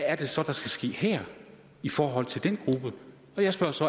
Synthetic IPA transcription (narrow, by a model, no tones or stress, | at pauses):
æɐd̥e̝sɒ̽d̥ɑ̈sɡ̥æsɡ̥e̝̰ːhɛɐ̰ | ifɒːɦɒ̽l̰t͡sʰe̝ld̥enɡ̥ʁub̥ə | ɒ̽jɑ̈ɪsb̥ɶɐsɒ̽